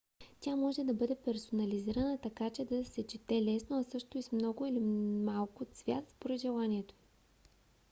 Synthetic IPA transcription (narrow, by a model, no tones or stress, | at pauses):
t̪ʲamɔʒɛd̪ɐbɤd̪ɛpɛɾsonɐliziɾənət̪ɐkat͡ʃɛd̪ɐsɛt͡ʃit̪ɛlɛsnoɐsɤʃt̪ʊismnɔɡʊilimalˠkot̪svʲja̰t̪spoɾɛd̪ʒɛlˠanʲiɛt̪o̥